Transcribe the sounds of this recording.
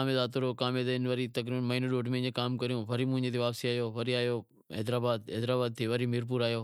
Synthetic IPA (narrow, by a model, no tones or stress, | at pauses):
aːmed̪aːt̪ʊɾokaːmed̪ɪnʋɐɾit̪ɐkɾiːbənmɐinuɗoːɖmẽɪ̃ɲd͡ʑekaːmkɐɾijũːʋɐɾimʊ̃ɦɪ̃ɲd͡ʑet̪ʰeʋaːpsiaːjoːʋɐɾiaːjoː | ɛ̰ːd̪ɾaːbaːd̪̚ɦɛːd̪ɾaːbaːd̪̚t̪ʰiʋɐɾimɪɾp̬uːɾaːjoː